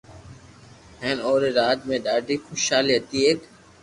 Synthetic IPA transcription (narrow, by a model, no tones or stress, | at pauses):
ɦeːnoːɾeːɾaːt̪mẽːɗaːɖʱiːxʊʃaːliːɦət̪iːeːk